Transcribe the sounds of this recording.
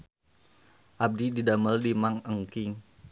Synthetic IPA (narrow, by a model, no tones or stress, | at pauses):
ʔab̚dididaməldimaŋəŋkɪŋ